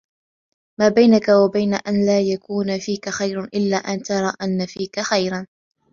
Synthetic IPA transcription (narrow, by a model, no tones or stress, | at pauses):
maːbajnakawabajnaʔanlaːjakuːnafiːkaxajɾʔɪlːaːʔant̪ɑɾˤɑːʔanːafiːkaxajɾan